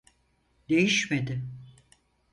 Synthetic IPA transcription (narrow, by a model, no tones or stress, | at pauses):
d̪e̞jiʃmed̪ɪ